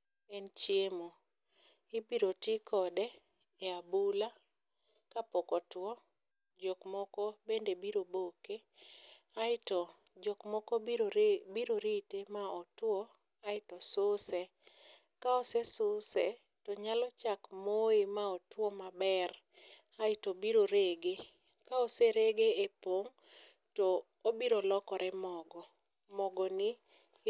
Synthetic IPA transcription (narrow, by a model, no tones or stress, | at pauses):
ent͡ʃjemo | ɪbiɾotikɔdɛ | eabula | kapɔkɔtwɔ | d͡ʒokmɔkɔbendebiɾoboke | aɪtɔ | d͡ʒokmɔkɔbiɾoɾitemaɔtwɔ | aɪtɔsʊsɛ | kaɔsesʊsɛ | tɔɲalɔt͡ʃakmoemaɔtwomabɛr | aɪtobiɾoɾeɡe | kaɔseɾeɡeepoŋ | tɔ | obiɾolɔkɔɾɛmɔɡɔ | mɔɡɔnɪ